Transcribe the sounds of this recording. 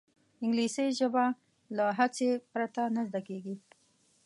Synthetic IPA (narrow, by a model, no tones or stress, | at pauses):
ɪŋɡliseʒəba | laɦat͡sepɾat̪anəzd̪akeɡi